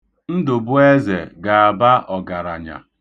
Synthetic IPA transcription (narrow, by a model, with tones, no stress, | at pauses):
n̩˦dʊ˨bʊ˦e˦ze˨ɡa˨a˨ba˦ʔɔ˨ɡa˨ɾa˨ɲa̰˨